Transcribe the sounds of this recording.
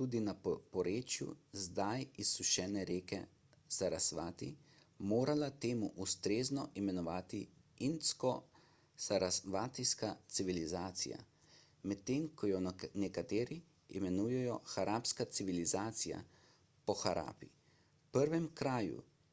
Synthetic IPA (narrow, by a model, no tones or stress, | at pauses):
t̪uːd̪inapɔɾeːt͡ʃjṵzd̪ajisːuʃɛːnɛɾeːkɛ̰ | saɾasʋaːt̪ḭ | moːɾalat̪eːmuʔust̪ɾeːznɔʔimɛnɔʋaːt̪i | inskɔ | saɾsʋat̪iskat̪siʋilizaːt̪sḭja̰ | mɛt̪ːeːmkʰɔjɔnɛkat̪eːɾi | ḭmɛnuːjɛjɔxaɾʔaːpskat̪siʋilizaːt̪sija̰ | pɔxaɾʔa̰ːpḭ | pəɾʋɛmkɾaːjṵ